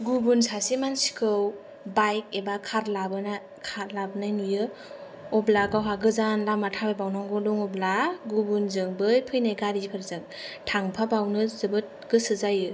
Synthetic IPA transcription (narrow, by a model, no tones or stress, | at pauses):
ɡubunsʰasimansi̥kʰɯw | bajk̚ebakʰaɾlabɯna | kʰaɾlabnajnujɯ | ɔblaɡawɦaɡɯzanlamatʰabajbawnɔŋɡɔluŋɔblaɡubunzɯŋbɯjpʰɯjnajɡaɾipʰɯɾzɯŋ | tʰaŋpʰabawnɯzɯbɯt̚ɡ̥ɯsɯzajɯ